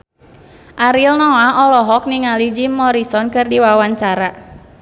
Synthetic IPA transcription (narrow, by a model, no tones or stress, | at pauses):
ʔaɾilnɔaʔɔlɔɦɔk̚niŋalid͡ʒimːɔɾisɔnkɨrdiwawaɲt͡ʃaɾa